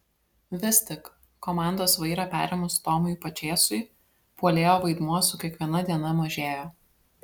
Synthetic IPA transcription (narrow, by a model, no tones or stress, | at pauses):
ʋʲɪst̪ʲɪk | kːɔmɑˑnd̪oːsʋɐɪɾɑpʲæ̰ːɾʲɛmʊst̪ɔːmʊjpɐt͡ʃʲeːsʊɪ | puɔlʲeːjoːʋɐɪd̪muɔsʊkʲiɛkʋʲiɛnɐd̪ʲiɛnɐmɐʒʲeːjoː